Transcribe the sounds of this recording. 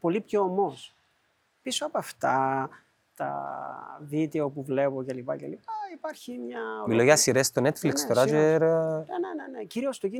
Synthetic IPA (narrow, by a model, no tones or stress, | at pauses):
po̞lipçoːmos | pisoɐpoɐft̪ɐ | t̪ɐ̰ | vit̪eo̞puvle̞pocelipɐ̰celipɐipɐɾçimɲɐmiloʝɐsiɾest̪onet̪flikst̪oɾad͡ʒeɾneneneneciɾio̞st̪oci